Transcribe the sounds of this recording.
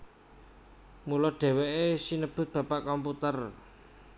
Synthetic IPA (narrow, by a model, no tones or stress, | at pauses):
mulɔɖ̥e̤weʔesinəb̥ʊ̤t̪̚b̥ä̤paʔkɔmput̪ər